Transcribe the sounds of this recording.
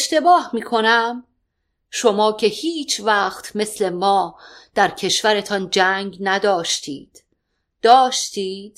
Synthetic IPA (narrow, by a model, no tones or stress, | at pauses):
eʃt̪e̞bɒːhmiːkʰo̞næm | ʃo̞mɒːcʰe̞hiːt͡ʃʰvæxt̪ʰme̞sle̞mɒːd̪̥æɾcʰe̞ʃvæɾe̞t̪ʰɒnd͡ʒæːŋɡnæd̪ɒːʃt̪ʰiːd̪̥ | d̪̥ɒːʃt̪iːd̪̥